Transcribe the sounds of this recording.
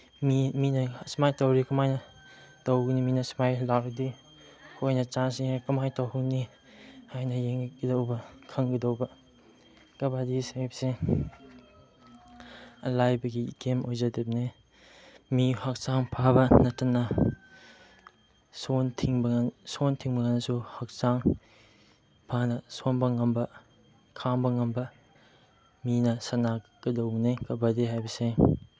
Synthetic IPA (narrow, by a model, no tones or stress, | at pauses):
miminɐsmajtɐwɾikɐmajnɐ | tɐwɡiniminɐsmajlaɾdi | hojnɐt͡ʃansikɐmajtawɦuŋni | hajnɐjeŋɡidɐwbɐkʰɐŋɡidɐwbɐ | kɐbadisajpse | ɐlajbɐɡikemojzɐdep̚ne | mihɐk̚saŋpʰabɐnɐtːɐnːɐ | sontʰiŋbɐsontʰiŋbɐŋɐnːɐsuhɐk̚saŋ | pʰanɐsonbɐŋɐmbɐ | kʰaŋbɐŋɐmbɐ | minɐsɐnaɡ̥ɐdɐwbɐnekɐbadiɦajbɐse